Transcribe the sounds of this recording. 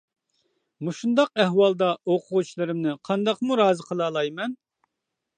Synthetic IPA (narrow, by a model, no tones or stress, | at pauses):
muʃund̪ɑq̚ɛhwɑlˠd̪ɑoqʰʊʁut͡ʃʰilˠɨɾɪmnɪqʰɑnd̪ɑqmuɾɑːzɨqʰəlˠɑːlˠɑjmɛn